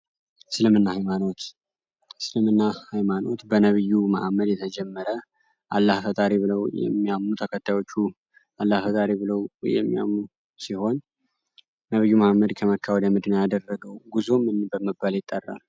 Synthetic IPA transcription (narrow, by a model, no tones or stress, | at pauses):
sɨlɨmɨnːahajmano̞t̪ | sɨlɨmɨnːahajmano̞t̪bənəβɨjːuma̰hmːəd̪jɛt̪ʰəd͡ʒɛmːəɾə | ʔalːahfət̪ʼaɾiβɨləwjɛ̰mːiamːut̪ʰəkʰət̪ʰːajwo̞t͡ʃːu | ʔalːahfət̪ʼaɾibɨləwjɛ̰mːija̰mːu | siho̞nː | əβɨjːumahmːəd̪kʰəməkʰːawd̪əmɨd̪ɨnəjad̪ərːəɡəwɡuzomɨnbəməbaljɪt̪ʼːərːa̰l